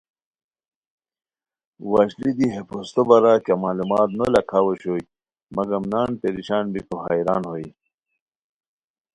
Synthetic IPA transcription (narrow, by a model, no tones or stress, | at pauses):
waɕlid̪iɦepost̪obɐɾakamaːlumaːt̪nolɐkʰaːwoɕoi | mɐɡɐmnaːnp̪eɾiɕaːnbikoɦajɾa̰ːnhoi